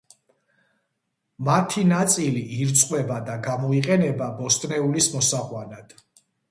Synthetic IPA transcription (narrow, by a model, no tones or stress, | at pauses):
mat̪ʰinat̪sʼiliʔːɾt̪sʼqʼwɛbad̪aɡamɔiqʼɛnɛbabɔst̪ʼnɛulismɔsaʁwanad̪̥